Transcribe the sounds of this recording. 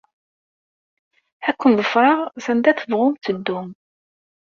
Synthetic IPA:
ækʷːənðˤəfɾˤɑʁsænd̪æθəvʁʊmt͡s̪əd̪ːum

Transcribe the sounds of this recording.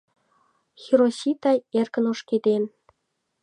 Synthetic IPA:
xiɾosit̪ɑjerkə̆noʃked̪en

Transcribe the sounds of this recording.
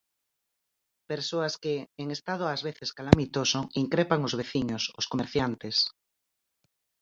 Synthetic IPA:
peɾsoaskɪːŋest̪að̞ʊazβeθeskalamit̪osoŋiŋkɾepaŋʊzβ̞eθiɲosʊskomeɾθjant̪es

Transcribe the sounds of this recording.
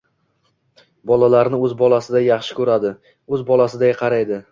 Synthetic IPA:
bɒlalaɾnɪɵzbɒlasɪd̪ajɑχʃɪ̥kʲʰɵɾad̪ɪ | ɵzbɒlasɪd̪ajqʰɑɾajd̪ɪ

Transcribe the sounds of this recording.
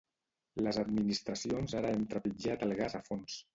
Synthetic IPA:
ləzəd̪minist̪ɾəsionzaɾəɛmt̪ɾəpid͡ʒat̪əlˠɣazəfons

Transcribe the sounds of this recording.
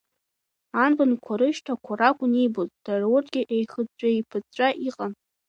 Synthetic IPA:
anbɨnkʷʰaɾɨʃtʰakʷʰaɾakʷʼʊnejbozʼd̥arawʊrtʰʼɡʲɪʔejχət͡ʃʷʼaepʰɨd͡zt͡ʃʷʼaʔiqʼan

